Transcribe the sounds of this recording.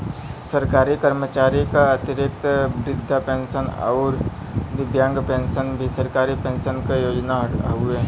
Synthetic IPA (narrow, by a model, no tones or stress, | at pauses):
sɐɾkaːɾikəɾmət͡ʃaːɾikaɐt̪ɪɾɪt̪ːbɾɪd̪ʱːapẽːnʃənɐ̰ʊɾ | d̪ɪbʱjãːŋɡpẽːnʃənbʱisɐɾkaːɾipẽːnʃənkajoːd͡ʒnaɦueː